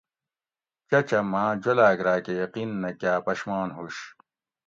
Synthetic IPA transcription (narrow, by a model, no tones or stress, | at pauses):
t͡ɕɐt͡ɕɐmãːd͡ʑolaːɡɾaːkejɐqinːɐkjaːpɐɕmaːnɦuɕ